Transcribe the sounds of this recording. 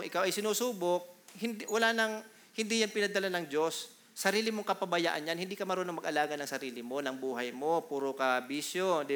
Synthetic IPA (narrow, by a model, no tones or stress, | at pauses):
ʊŋʔɪkawʔɐjsɪnuːsuːbok̚hɪnd̪wɐlanɐŋ | hɪnd̪ijanpɪnɐd̪ɐlanɐŋd͡ʒo̞sː | ɐɾiːlɪmoŋkɐpɐbɐja̰ːʔɐnjanhɪnd̪iːkɐmɐɾonoŋmɐɡʔɐlaːɡɐnɐŋsɐɾiːlɪmo̞nɐŋbuːɦɐjmo̞puːɾokɐbiːsjod̪ɪ